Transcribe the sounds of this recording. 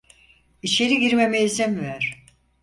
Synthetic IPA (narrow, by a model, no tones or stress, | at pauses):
it͡ʃʰeɾiɡiɾmemeizɛmvæɾ̥